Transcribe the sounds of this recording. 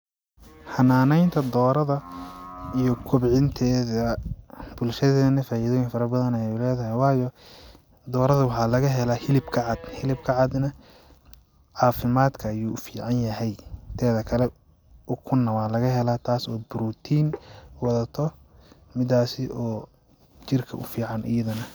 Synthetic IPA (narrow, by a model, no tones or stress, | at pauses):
hɐnaːnɛjnt̪ʰɐd̪ɔːɾɐðɐ | ijɔkʰʊbʕɪnt̪ʰɛːðɐbʊlʃɐðɛːðɐnɐfaːiðɔːjɪŋfɐɾɐbɐðɐnɐʊlɛːðɐɦɛjwɑːjɔ | d̪ɔːɾɐðɐwɑħɑːlɐɣɐɦɛlahɪlɪbkʰɐʕɑd̪̥hɪlɪb̚kʰɐʕɑd̪nɐ | ʕɑːfɪmaːd̪kʰɐːjuːfiːʕɑnjɐɦɛjt̪ʰɛːðɐkʰɐlɛ | ʊkʰʊnːɐwaːlɐɣɐɦɛlaːt̪ʰaːsɔːbʊɾuːt̪ʰiːnwɑðɐt̪ʰɔ | mɪd̪aːsɪʔɔː | t͡ʃɪrkʰɐʔʊfiːʕɑnɪ̰jɐðɐnɐ